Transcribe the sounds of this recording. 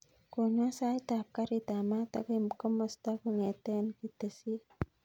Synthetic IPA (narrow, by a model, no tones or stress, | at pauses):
koɲasajt̪ap̚kaɾit̪amat̪akajmkɔmɔst̪akuŋɛt̪enkit̪esi